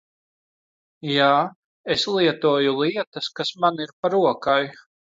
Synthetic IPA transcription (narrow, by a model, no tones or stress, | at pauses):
jaː | eslˠiɛt̪uɔjulˠiɛt̪ɐskasmaniɾpaɾuɔkaj